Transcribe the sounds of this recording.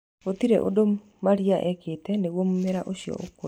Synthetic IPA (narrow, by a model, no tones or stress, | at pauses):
ot̪iɾḛʔo̰do | maɾjaʔɛkʰɪt̪ɛnewomːɪɾaʔoʃjɔ̰oko